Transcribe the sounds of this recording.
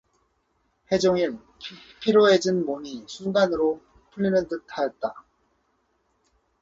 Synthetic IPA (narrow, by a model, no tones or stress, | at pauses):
he̞d͡ʑoŋinʰ | pʰiɾjoe̞d͡ʑɯnmomisʰunɡanɯɾo | pʰuʎːinɯntɯtʰajʌt̚t͈a